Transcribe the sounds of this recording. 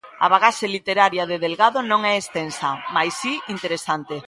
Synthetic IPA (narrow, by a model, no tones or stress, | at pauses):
a̰βaɣaselit̪eɾaɾjaðeðelɣaðonõŋɛest̪ensɐmajsiint̪eɾesant̪e